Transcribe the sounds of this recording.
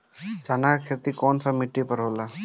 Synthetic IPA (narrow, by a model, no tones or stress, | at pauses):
d͡ʒaːnakakʰet̪ikɔːnsamiʈːipəɾɦoːla